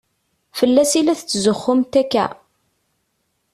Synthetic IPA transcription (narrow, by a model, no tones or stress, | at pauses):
fəlːæsilæθt͡sːzəχːʊmt̪ækːæ̰